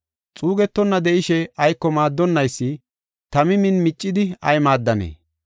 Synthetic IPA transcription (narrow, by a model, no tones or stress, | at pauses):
t͡sʼuːɡɛt̪ːɔnːɐd̪ɛʔɪʃɛɐjkːɔmaːd̪ːɔnːɐjsːɪ | t̪ɐmɪmɪnmɪt͡ʃʼːɪd̪ɪɐ̰jmaːd̪ːɐnḛː